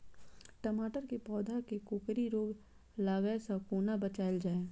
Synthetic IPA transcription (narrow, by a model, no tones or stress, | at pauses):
ʈɐmaːʈəɾkepɔːd̪ʱakekʊkɾiɾoːɡ | laːɡəesakoːnabət͡ʃaːld͡ʒaːeː